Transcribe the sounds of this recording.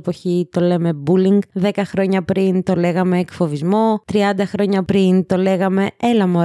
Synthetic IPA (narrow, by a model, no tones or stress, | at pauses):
po̞çit̪o̞le̞me̞buliŋɡðe̞kɐxɾo̞ɲɐpɾint̪o̞le̞ɣɐme̞ːkfo̞vizmo̞t̪ɾiɐnd̪ɐxɾo̞ɲɐpɾint̪o̞le̞ɣɐme̞elɐmo